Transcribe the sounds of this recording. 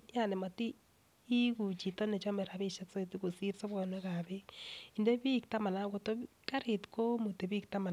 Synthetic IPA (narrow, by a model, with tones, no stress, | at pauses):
ja˦˨ne˨ma˨tiː˦ | ku˨t͡ʃi˨to˦ne˨t͡ʃɔ˦mɛ˨ɾa˨bi˦ʃɛ˦kso˦˨ti˦ko˨si˦ɾso˦βɔ˨nwe˦ka˨be˦i˨nde˦bi˦k̚ta˦ma˨na˨˦ko˨to˦ | ka˦ɾɪ˨tko˦mu˨te˨bi˦kta˦ma˨